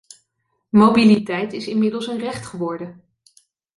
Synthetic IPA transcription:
mowbilitɛjtɪsɪnmɪdəlˠsənrɛχtχəʋɔɹdə

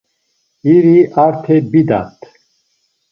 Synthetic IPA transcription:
iɾiʔaɾt̪ʰɛbid̪a̰t̪ʰ

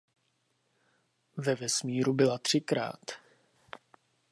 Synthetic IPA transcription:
vɛvɛsmiːɾubɪlat̪r̝̥ɪkɾa̰ːt̪

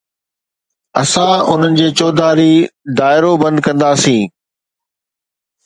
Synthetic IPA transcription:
ɐsãʊn̤ənɪ̆d͡ʑeːt͡ɕɔːd̪aːɾid̪aːɪɾobɐ̃nd̪̚kɐ̃nd̪aːsĩː

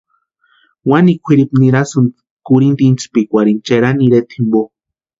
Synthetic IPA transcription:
wanikʷʰiɾipniɾasun | kuɾint̪int͡spikʷaɾint͡ʃeɾaniɾet̪ʰimbo

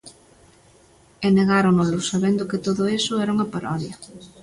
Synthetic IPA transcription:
eneɣ̞aɾonolʊsaβend̪ʊkɪt̪oðʊesʊɛɾuŋɐpaɾʔɔðjɐ

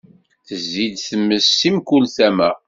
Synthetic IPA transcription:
θəzːid̪θəmːəsːimkulθæmæ

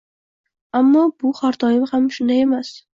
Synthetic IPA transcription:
amːɒbʊχaɾt̪ʰɒjɪmhamʃʊnd̪aje̞mas

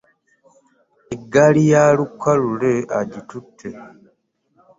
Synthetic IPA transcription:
eɡːalijaːlukʰːaluleaɟitutʰːe

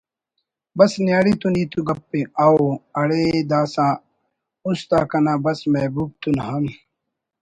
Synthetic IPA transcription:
bɐsnjaːɽit̪uniːt̪uɡɐpːeaːoɐɽed̪aːsã | ust̪aːkɐnaːbɐsmɐbuːb̚t̪unɦɐm

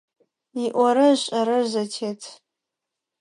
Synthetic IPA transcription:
iʔʷaɾɨɕʼaɾɨʒʷatʰetʰ

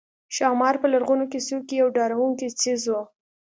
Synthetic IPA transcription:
ʃɑmɑɾpəlaɾɣunokesukijawɖɑɾawuŋkit͡sizwo

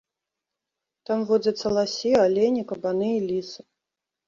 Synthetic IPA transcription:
t̪amvɔd͡zʲɐt̪sːɐlˠasʲialʲenʲikɐbanɨilʲisɨ̥

